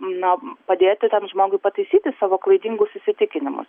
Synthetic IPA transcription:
nʊpɐd̪ʲeːt̪ʲɪt̪ʲɛmʒmoːɡʊɪpɐt̪ɐɪsʲiːt̪ʲɪsɑːʋoːklˠɐɪd̪ʲiːŋɡʊsɪsʲɪt̪ʲɪkʲɪnʲɪmʊ̰s

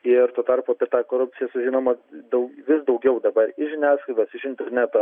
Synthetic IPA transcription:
ɪɾt̪oːt̪ɐɾpoɐpʲiɛt̪ɑːkoːɾʊp̚ʲt͡s̪ʲɪjɛsʊʒʲiːnoːmɐd̪ɐʋʲɪsd̪ɐʊɡʲɛʊd̪ɐbɐɾɪʒʲɪnʲæːskɐɪd̪ɐsɪʃɪnʲt̪ʲɛɾʲnʲæt̪o

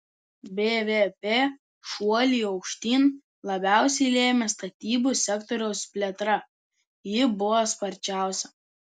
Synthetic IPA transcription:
bʲeːʋʲepʲeː | ʃuɔlʲiːˑɒʊkʃʲt̪ʲiːn | lˠɐbʲæˑʊsʲɛɪlʲeːmʲɛst̪ɐt̪ʲiːbuˑsʲɛkt̪ɔɾʲɛʊspʲlʲeɛt̪ɾɐ | jɪbʊʋɔspɐɾʲt͡ʃʲæˑʊsʲɛ

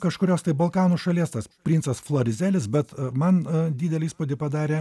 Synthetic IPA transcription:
kɐʃkʊɾʲoːst̪ɐɪbɐlˠkɑːnuːʃɐlʲiɛst̪ɐspʲɾʲiːnsɐsflˠoːɾʲɪzʲæːlʲɪsbʲɛt̪mɐnd̪ʲiːd̪ʲɛlʲɛiːspod̪ʲɪpɐd̪ɑːɾʲeː

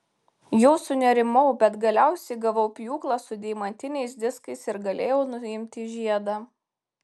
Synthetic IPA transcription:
joːsʊnʲɛɾʲɪmɐʊbʲɛt̪ɡɐlʲæˑʊsʲɛɪɡɐʋɐʊpʲjuːklˠɑsʊd̪ʲɛɪmɐnʲt̪ʲɪnʲɛɪsd̪ʲɪskɐɪsɪɾɡɐlʲeːjɛʊnʊɪmʲt̪ʲiːʒʲiɛd̪ɑ

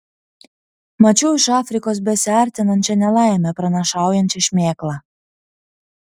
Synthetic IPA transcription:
mɐt͡ʃʲuʊɪʃɑːfʲɾʲɪkoːs̬bʲɛsʲɑˑɾʲt̪ʲɪnɐnʲt͡ʃʲɛnʲɛlˠɑˑɪmʲɛpɾɐnʲɐʃɑˑʊjɛnʲt͡ʃʲɛʃʲmʲeːklˠɑ

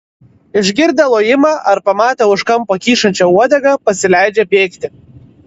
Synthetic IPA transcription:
ɪʒʲɡʲɪɾd̪ɐlˠoːjɪmɑʔɐɾpɐmɑːt̪ʲɐʊʃkɐmpokʲiːʃɐnʲt͡ʃʲɛuɔd̪ʲɐɡɐpɐsʲɪlʲæɪd͡ʒʲepʲeːkt̪ʲɪ

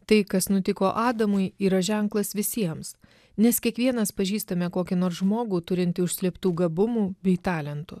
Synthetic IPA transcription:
t̪ɐɪkɐsnʊt̪ʲɪkoːʔɑːd̪ɐmʊɪiːɾɐʒʲɛŋklˠɐsʋʲɪsʲiɛms | nʲɛskʲiɛkʋʲiɛnɐspɐʒʲiːst̪ɐmʲɛkoːkʲɪnoːɾsʒmoːɡuːt̪ʊɾʲɪnʲt̪ʲɪʊʃʲsʲlʲiɛpt̪uːɡɐbʊmuːbʲɛɪt̪ɑːlʲɛnt̪ʊ

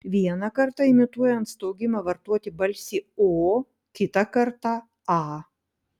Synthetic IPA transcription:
ʋʲiɛnɐkɐɾt̪ɐɪmʲɪt̪uɔjɛnt̪st̪oʊɡʲɪmɐʋɐɾt̪uɔt̪ʲɪbɐlʲsʲiːoː | kʲɪt̪ɐkɐɾt̪ɑ | ɑː

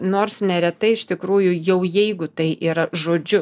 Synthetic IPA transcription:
noːrsnʲɛɾʲɛt̪ɐɪɪʃt̪ʲɪkɾuːjʊjɛʊjɛɪɡʊt̪ɐɪʔiːɾɐʒoːd͡ʒʲʊ

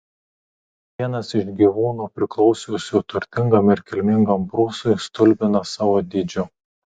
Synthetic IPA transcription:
ʋʲiɛnɐsɪʃɡʲiʋuːnuːpʲɾʲɪklˠɒʊsʲuːsʲʊt̪ʊɾʲt̪ʲɪŋɡɐmɪɾʲkʲɛlʲmʲɪŋɡɐmpɾuːsʊjst̪ʊlʲbʲɪnɐsɑːʋoːd̪ʲɪd͡ʒʲʊ

